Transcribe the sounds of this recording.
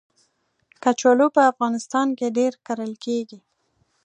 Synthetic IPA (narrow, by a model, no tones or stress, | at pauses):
kat͡ʃolopəafɣɑnɪst̪ɑnkeɖeɾkaɾəlkeɡi